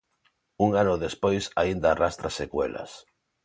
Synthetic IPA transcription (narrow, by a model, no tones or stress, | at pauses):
uŋanʊðespojsaind̪aːrast̪ɾasekwḛla̰s